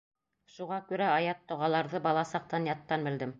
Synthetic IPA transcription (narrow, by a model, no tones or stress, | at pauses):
ʃuʁɑkʉɾæɑjɑt̪ːŏʁɑlˠɑɾðɤbɑlˠɑsɑq̚t̪ɑnjɑt̪ːɑnbɘ̆ld̪ɘm